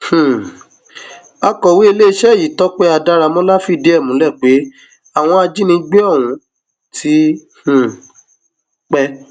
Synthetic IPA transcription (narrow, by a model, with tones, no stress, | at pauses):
h̩˨ | a˧kɔ˨wi˦e˧le˦˧˦ʃɛ˦˨ji˨tɔ˨˦k͡pɛ˦a˧da˧ɾa˧mɔ̃˦la˦fi˦˨de˨˦ɛ˦˨mũ˨˦lɛ˦˨k͡pe˨˦ | a˦˨w̃ɔ̃˧a˧d͡ʒi˦nĩ˧ɡ͡be˦ɔ˦˨wũ˨˦ | tʰi˨˦h̩˨ | k͡pɛ˦